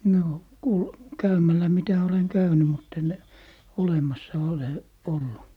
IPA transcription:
noː ku kæymælːæ mitæ oleŋ kæyny mutː en olemɑsːɑ ole olːu

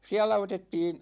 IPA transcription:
siælæ otetːiːn̞

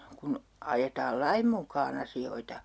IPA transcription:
kun ɑjetɑːl lɑim mukˑɑːn ɑsioitɑ

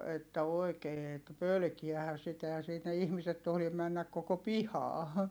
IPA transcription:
etːæ oi̯keː etːæ̆ pølkiæhæ sitæ ehæn̞ sinːe ihmiset tohlim mænːæk koko pihɑː

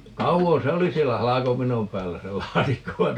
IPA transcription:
kɑuʋon̞ se oli sielːæ hɑlɑkopinom pæːlːæ se lɑːtikːo ʋɑin

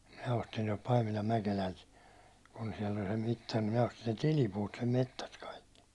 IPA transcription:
minæ ostin tuɒlt pɑimilɑm mækelælt kun siɛl olʲ se mitːɑr ni minæ ostin̞ sen̞ tilipuːt sem metːæst kɑikːi

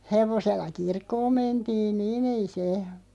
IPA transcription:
heʋoselːɑ kirkːoːm mentiːn niːn ei se

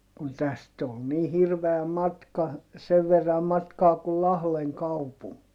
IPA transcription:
kun tæst ol niː hirʋeæ mɑtkɑ seʋ ʋerːɑm mɑtkɑː kul lɑhleŋ kɑupuŋkiː

